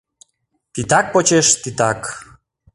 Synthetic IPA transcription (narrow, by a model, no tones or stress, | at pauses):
t̪it̪ɑk̚pot͡ɕeʃt̪it̪ɑk